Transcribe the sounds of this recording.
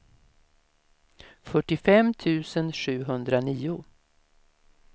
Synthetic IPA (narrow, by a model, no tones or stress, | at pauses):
fœʈːɪfɛmːt̪ʰʉ̟ːsənɧʉ̟ːɦɵnd̪ɾaniːʊ